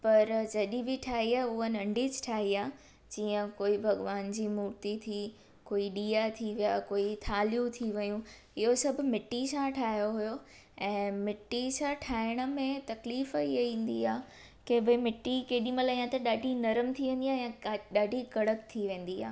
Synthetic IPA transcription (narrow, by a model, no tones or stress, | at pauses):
pɐɾd͡ʑɐɗĩbɪʈʰaːɦiaːɦʊɦənɐ̃ɳɖid͡ʑʈʰaːɦiaː | d͡ʑiːə̃koːibʱɐɡʋaːnd͡ʑiːmuːɾt̪it̪ʰi | koːiɗiːat̪ʰiʋijaːkoːit̪ʰaːlijũt̪ʰiʋɐjũ | ɪɦosɐbʱʊ̆mɪʈːisãʈʰaːɦjoɦʊjo | ɛ̃ːmɪʈːisãʈʰaːɪɽ̃ə̆mẽt̪ɐkliːfiɐĩːn̆d̪iaː | kebʱɪmɪʈːikeːɗĩmɐ̃laːijãt̪ɐɗaːɖʱinɐɾəmt̪ʰiʋẽːnd̪iaːjãɗaːɖʱikɐɽəkt̪ʰiʋẽːn̆d̪ia̰ː